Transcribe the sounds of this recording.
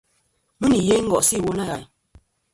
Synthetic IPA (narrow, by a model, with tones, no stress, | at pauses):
mu˦ni˨je˦ŋ̩˦ɡɔ˨ʔsi˦˨wo˦na˦ɣa˨j